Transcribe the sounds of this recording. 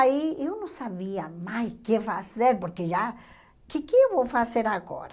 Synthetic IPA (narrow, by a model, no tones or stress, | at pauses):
aiewnɐ̃w̃saβiɐmajskefazeɾpoɾkeʒa | kɪkɪewvowfaseɾaɣɔ̰ɾɐ